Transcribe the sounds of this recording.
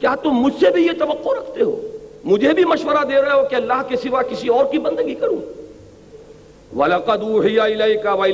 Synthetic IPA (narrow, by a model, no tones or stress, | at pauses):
kjaːt̪ʊmːʊd͡ʒʱsebʱijet̪ɐʋɐqːoɾɐkʰt̪eɦo̰ːmʊd͡ʒʱebʱimɐʃʋəɾad̪eːɾɐeɦokeɐlːaːɦkesɪʋakɪsiɔːɾkibɐ̃nd̪əɡikɐɾũː | wɐlɐqɐd̪uːɦɪjaɪlɐjkawɐɪ